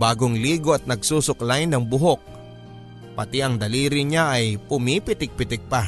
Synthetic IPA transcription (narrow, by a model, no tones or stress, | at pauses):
baːɡoŋliːɡoɐt̪̚nɐɡ̚suːsʊklajnːɐŋbʊɦok̚ | pɐt̪iɐŋd̪ɐliːɾɪɲaʔɐjpʊmipɪt̪ɪk̚pɪt̪ɪɡ̚pa